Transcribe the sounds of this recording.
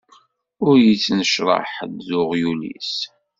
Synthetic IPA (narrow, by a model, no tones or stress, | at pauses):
ʊɾjət͡sːnəʃɾˤɑ̰ħd̪zʊʁjulḭs